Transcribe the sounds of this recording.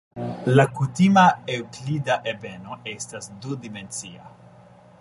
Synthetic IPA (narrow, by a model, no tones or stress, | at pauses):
lakut̪imaewklid̪aʔebenoʔest̪asdud̪iment͡sia̰